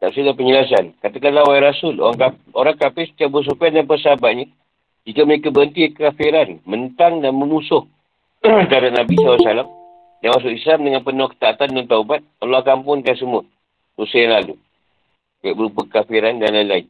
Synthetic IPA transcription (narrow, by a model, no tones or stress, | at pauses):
t̪apsilapəɲəlas̬ankat̪akanlawaiɾasʊlo̰ɾaŋka | oɾaŋkapɪst̪aʔbəs̬ukadanpəsəabaʔ̪̚ɲa | d͡ʒikaməɾekabəənt̪iakəkafiɾanmənt̪aŋdanməmusʊh | dadaʔ̚nabisalasalam | damas̬ʊʔislamdəŋanpənɔkə̥t̪aːt̪andant̪aubat̪̚aloakampʊnkans̬əmuə | rusəjaŋlalṵ | kaaʔbəɾupəkkafiɾandanlajlain